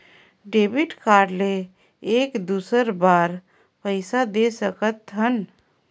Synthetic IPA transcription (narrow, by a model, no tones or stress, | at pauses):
ɖebiʈkaːɾleː | kd̪uːsəɾbaɾ | pəɪsad̪esəkət̪ɦən